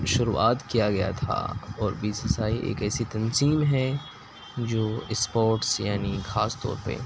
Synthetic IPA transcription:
ʃʊɾṵʔa̰ːt̪kijaɡɐja̰t̪ʰa̰ɔːɾbiːsɐsaːiʔḛːkɛːsit̪ɐnziːmɦɛ | d͡ʒoːɪspoːɾʈsjaːnixaːst̪ɔ̰ːɾpə̰ɾ

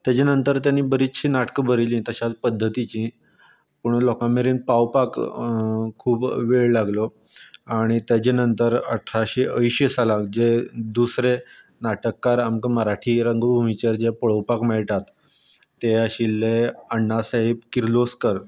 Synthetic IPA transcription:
t̪jat͡ɕanənt̪əɾt̪janːiːbəɾit͡sɕiːnaʈkəbəɾilĩːt̪əɕat͡spəd̪ʱːət̪it͡ɕĩ | puɳlɔkãmeɾiːnpawpak | kʰuːpʋeɭlaɡlo | aɽ̃it̪jat͡ɕenənt̪əɾə̰ʈʰɾaɕeʔəjɕesalãd͡ʑed̪usɾe | naʈəkːaɾamkəməɾaʈʰiːɾəŋɡbʱumit͡ɕəɾd͡ʑepəɭəwpakmɛɭʈ̪at̪ː | ejaɕilːeəɳːasaɦeb̚kiɾloskəɾ

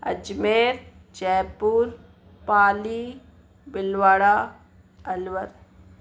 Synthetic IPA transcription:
ɐ̰d͡ʒmeːɾd͡ʒɛːpuːɾ | paːli | bɪlwaːɽaː | ɐlʋəɾ

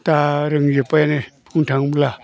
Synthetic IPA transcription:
t̪aɾəŋjøpajenepʰuɳtʰaŋmla

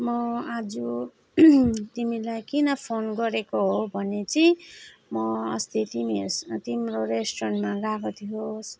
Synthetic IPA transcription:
mʌad͡zu | t̪imilajkinʌpʰonɡʌɾekoɦobʱʌnet͡simʌʌ̰st̪et̪imist̪imroɾesʈrʌnmarakot̪ʰijos

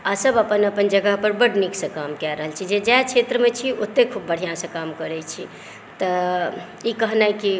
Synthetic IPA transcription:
asəbəpənəpənd͡ʒəɡəɦpəɾbəɽniksə̃kamkɛɾəɦəlt͡ʃʰid͡ʒed͡ʒat͡ʃʰet̪ɾəmet͡ʃʰiot̪ːekʰubːəɽ̤ijãsə̃kamkəɾɛt͡ʃʰi | t̪ə | ikəɦnaki

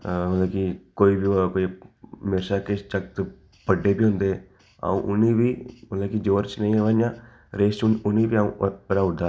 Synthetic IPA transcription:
mət̪laːkikoːiːbikoːimɪɾʃaːket͡ʃəkt̪ | pəɖeːbiːɦʊ̃nd̪eː | a̰ːṵ̃ːʔʊniːbiːmət̪laːkid͡ʒoːɾt͡ʃnəĩːʋaːjãː | ɾeːst͡ʃʊniːbiːaṵ̃ːəɾaːʊd̪aː

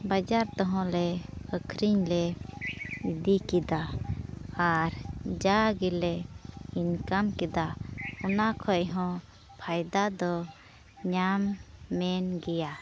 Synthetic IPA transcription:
bad͡ʒaɾt̪ɔɦɔ̃lɛəkʰɾiɲlɛ | id̪ikid̪aː | ɾd͡ʒaɡilɛinkamkɛd̪aɔnakʰɔʔɦɔ̃ | pʰajd̪ad̪ɔ | ɲamːɛnɡɛja

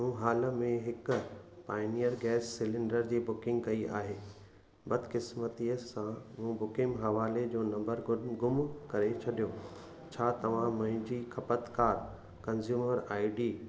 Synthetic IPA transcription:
mũːɦaːlə̆mẽɦɪkʊpaːɪnijəɾɡɛːsːɪlɪ̃ɳɖəɾd͡ʑiːbʊkɪ̃ŋɡkɐiʔa̰ːɦeː | bɐd̪ʱkɪsmət̪iəsãmũːbʊkɪ̃ŋɡɦɐʋaːled͡ʑoːnɐ̃mbəɾɡʊmkɐɾet͡ɕʰɐɗijoː | t͡ɕʰaːt̪ɐʋ̤ãmɐ̃ɦɪ̃ɲd͡ʑiːkʰɐpət̪kaːɾ | kɐ̃nzjuːməɾaːɪɖiː

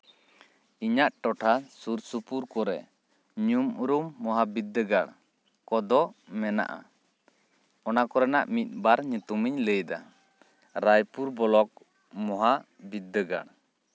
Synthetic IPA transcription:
iɲaʔʈɔʈʰasuɾsupuɾkɔɾɛ̰ | ɲumuɾumːɔɦabid̪ːəɡaɽ | kɔd̪ɔmɛna̰ʔa̰ | ɔnakɔɾɛnaʔmit̪̚ˀbaɾɲut̪umiɲləjd̪a̰ | ɾajpuɾbɔlɔk̚ | mɔɦa | bid̪ːəɡa̰ɽ

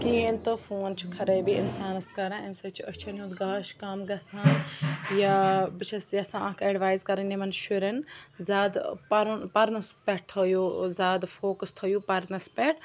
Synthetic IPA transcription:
kieːnt̪ɨfuːnt͡ʃʰukʰɐɾɐjbiḭnsaːnɐst̪kɐɾãːɐmsɐt͡ʃʰuʔɐt͡ʃʰɐnud̪ɡaːʃkɐmɡɐsʰãːjabit͡ʃʰɐsjɐsããːkɐɖʋaːjzkɐɾɐnemɐnʃuɾɐnzaːd̪pɐɾunpɐɾnɐspʲɛʈ̚t̪ʰoːjoːzaːd̪foːkɐst̪ʰɐjuːpɐɾnɐspeʈ

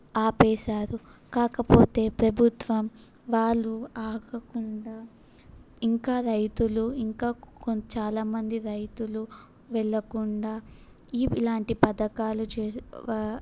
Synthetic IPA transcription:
aːpɛːʃaːɾukaːkɐpo̞ːt̪e̞ːpɾɐbʱut̪ʋɐm | ʋaːɭːuaːɡɐkuɳɖaː | iŋkaːɾɐjt̪uluiŋkaːt͡ʃaːlaːmɐnd̪iɾɐjt̪ulu | ʋɛɭːɐkuɳɖaː | iːlaːɳʈipɐd̪ɐkaːlut͡ʃː

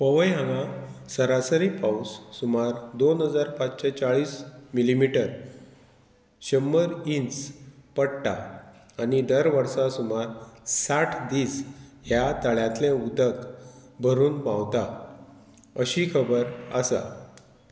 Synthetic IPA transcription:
pəʋəjɦãŋãsəɾasəɾipawsːumaɾd̪onɦəd͡zaɾpat͡sɕɛt͡ɕaɭiːsmilimiʈəɾ | ɕəmːəɾinspəɽʈaː | nid̪əɾʋəɾsãsumaɾsaʈʰd̪iːsɦjat̪aɭjãt̪lɛ̃ud̪əkbʱəɾuːnpãwt̪a | əɕikʰəbəɾə̰sa̰

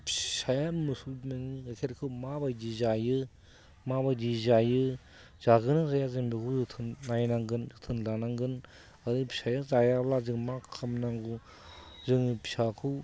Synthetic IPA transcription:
pʰsajamɯsumeŋiakʰeɾkʰɯwmabajdizajɯ | mabajdizajɯ | z̥aɡɯnazajazeŋbikʰuzɯtʰɯnːajnaŋɡɯnzɯtʰɯnlanaŋɡɯn | adɯpi̥sajazajablazɯŋmakʰamnaŋɡu | zɯŋipʰi̥sakʰɯw

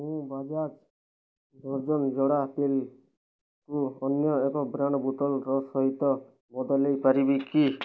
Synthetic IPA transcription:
mũbad͡ʒat͡ʃ | d̪ʱɔɾd͡ʒɔnd͡ʒɔɽat̪el | kuɔnjɔekɔbɾaɳ̃ɔbut̪ɔlɾɔsɔɦit̪ɔ | bɔd̪ʱɔlejpaɾibiki

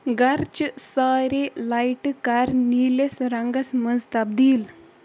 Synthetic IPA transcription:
ɡaɾt͡ɕsaɾelajʈkaɾnilesɾaŋɡəsməd͡zt̪ab̚d̪iːl

